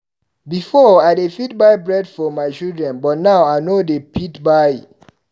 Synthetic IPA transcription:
bifɔaɪdefit̚baɪbɹɛdfɔmaɪt͡ʃildɹɛ̃nbɔt̚naʊaɪnodepʰitbaɪ

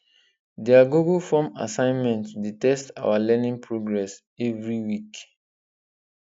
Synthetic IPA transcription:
diaɡuɡufɔma̰sãɪ̃nmɛ̃ntsdetɛsta̰walɛnĩŋpʰɹoɡɹɛs | ɛvɹiwik

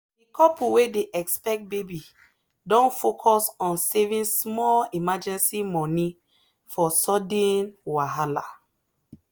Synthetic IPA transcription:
dikɔpuwedeʔɛkspɛk̚t̚bebi | dɔ̃nfokʰɔsɔ̃nsɛvĩnsmɔlimad͡ʒɛ̃nsimɔni | fɔsɔdẽnwaɦala̰

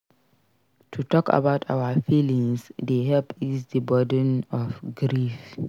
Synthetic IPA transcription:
tʰutɔka̰baʊtʰa̰wafilĩŋsdeɦɛlpisdəbɔdə̃nɔfɡɹif

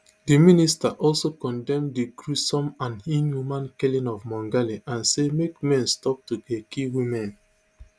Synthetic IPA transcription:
diministaʔɔlsokɔ̃ndɛ̃mdiɡɹusɔ̃mãnĩnjumãnkɛlĩnɔvmɔ̃ŋɡaliʔãnsemekmɛ̃nstɔp̚tuɡekʰiwimɛ̃n

